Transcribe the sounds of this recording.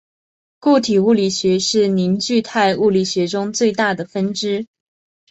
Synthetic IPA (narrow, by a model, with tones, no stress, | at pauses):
ku˥˩t̪ʰi˨˩u˥˩li˨˩ɕɥɛ˧˥ʂɻ̩˥˩ni˧˥nt͡ɕy˥˧t̪ʰa˥˧ɪu˥˩li˨˩ɕɥɛ˧˥ʈ͡ʂʊ˥ŋt͡swe˥˧ɪt̪a˥˩d̪ə˩fə˥nʈ͡ʂɻ̩˥